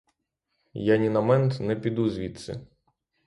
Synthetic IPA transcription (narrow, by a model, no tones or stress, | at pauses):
janʲinɐmɛnt̪nɛpʲid̪uzʲʋʲit̪sɛ̰